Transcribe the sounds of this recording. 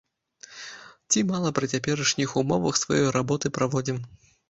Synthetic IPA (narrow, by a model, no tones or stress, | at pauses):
t͡sʲimalˠɐpɾɨt͡sʲapʲɛɾɐʂnʲixumɔvɐxsva̰jɔjɾabɔt̪ɨpɾʔavɔd͡zʲim